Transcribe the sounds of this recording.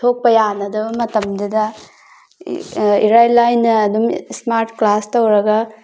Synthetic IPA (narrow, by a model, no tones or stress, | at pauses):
tʰok̚pɐjanɐdɐbɐmɐtɐmdidɐ | ḭɾajlajnːɐːdumsmaɾtklastɐwɾɐɡɐ